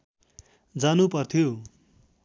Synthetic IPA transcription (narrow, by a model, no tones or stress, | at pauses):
d͡zanupʌrt̪ʰjo